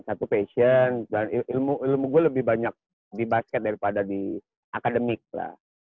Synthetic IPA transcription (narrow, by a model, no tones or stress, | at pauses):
sat̪upesəndaniʔilmuʔilmuɡualəbɪhbaɲak̚ | dibaskɛt̪̚daɾipadadi | ʔakadəmɪk̚la̰h